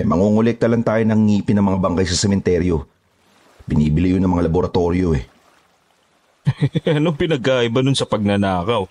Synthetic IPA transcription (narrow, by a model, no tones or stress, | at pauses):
mɐŋuːŋʊlɛk̚t̪ɐlɐŋt̪aːjonɐŋːiːpɪnɐŋmɐŋabɐŋkajsɐsɛmɛnt̪ɛɾjo̞ | bɪniːbɪlɪjʊnɐŋmɐŋalɐboɾɐt̪o̞ːɾjo̞ɛ | ɐnoŋpɪnɐɡ̚kaːʔɪbɐnʊnsɐpɐɡ̚nɐnaːkɐw